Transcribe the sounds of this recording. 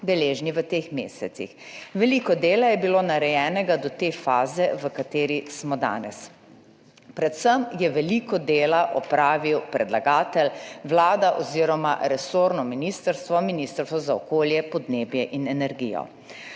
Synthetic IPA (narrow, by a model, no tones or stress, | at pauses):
d̪ɛleːʒniʋət̪eːxmḛːsɛt̪sḭxʋɛliːkɔd̪eːlajɛbiloːnaɾɛjɛːnɛɡad̪ɔt̪efaːzɛʋəkat̪eːɾismɔd̪a̰ːnɛ̰s | pɾɛt̪səmjɛʋɛlikɔd̪eːlaʔɔpɾaːʋiwpɾɛd̪laɡaːt̪ɛlʋlaːd̪aʔɔziːɾɔma̰ɾɛsoːɾnɔminist̪əɾst̪ʋɔminiːst̪əɾst̪ʋɔzaɔkoːljɛpɔd̪neːbjɛʔinɛnɛɾɡḭjɔ̰